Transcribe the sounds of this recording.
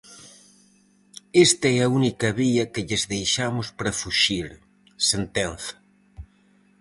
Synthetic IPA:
est̪aɛaunikɐβiɐkeʎezðejʃamospɾafuʃiɾ | sent̪enθɐ̥

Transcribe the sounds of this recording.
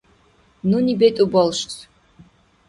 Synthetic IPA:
nunibɛt̪ʼubɔlˠʃt͡sʰ

